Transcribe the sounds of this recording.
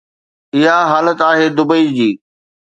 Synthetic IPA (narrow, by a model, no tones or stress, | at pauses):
ɪɦaɦaːlət̪aːɦeːd̪ʊbəid͡ʑiː